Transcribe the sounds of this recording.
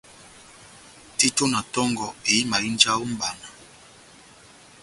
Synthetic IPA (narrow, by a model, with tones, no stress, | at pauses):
ti˦to˦na˨tɔ˦ŋɡɔ˨e˨i˦ma˨i˦nd͡ʒa˦wo˦m̩˦ba˨na˨